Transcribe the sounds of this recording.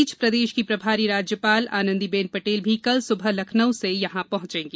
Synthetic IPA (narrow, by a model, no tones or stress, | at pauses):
t͡ʃpɾɐd̪eːʃkipɾɐbʱaːɾiɾaːd͡ʒjəpaːla̰ːnə̃nd̪ibẽːnpɐʈeːlbʱikɐlsʊbʱəɦlɐkʰnəwsejɐɦãpɐɦʊ̃t͡ʃẽːŋɡe